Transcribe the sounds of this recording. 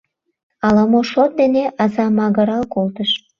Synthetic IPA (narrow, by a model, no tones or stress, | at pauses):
ɑlɑmoʃot̪̚d̪eneʔɑzɑmɑɣəɾɑlkolt̪əʃ